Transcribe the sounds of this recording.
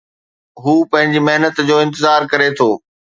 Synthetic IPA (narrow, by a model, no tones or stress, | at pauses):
ɦuːpɐ̃ɦɪ̃ɲd͡ʑimɐɦnət̪d͡ʑoːɪ̃nt̪ɪzaːɾkɐɾet̪ʰoː